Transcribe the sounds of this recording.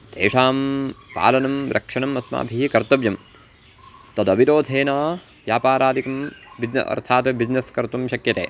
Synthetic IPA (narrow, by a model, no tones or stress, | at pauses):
d̪ḛːʂaːmpa̰ːlɐnɐmɾʔɐ̰kʂɐɳɐmɐsma̰ːbʱiɦikɐɾt̪ɐʋjɐm | t̪ɐd̪ɐʋiɾoːd̪ʱeːnaː | ʋjaːpaːɾaːd̪ikɐmbid͡ʒnɐ̰ɐ̰ɾt̪ʰaːt̪bid͡ʒnɐskɐɾt̪umʃɐkjɐt̪ḛː